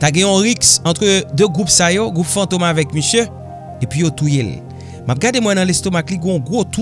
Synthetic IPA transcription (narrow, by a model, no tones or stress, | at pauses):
t̪aɡɛ̃ɔ̃ʁiksɑ̃t̪ʁəd̪øɡʁupsajoɡʁupfɑ̃t̪omavɛkmisjø | epɥijot̪ujel | map̚ɡademwɛ̃nɐ̃lest̪omakliɡɔ̃ɔ̃ɡʁot̪u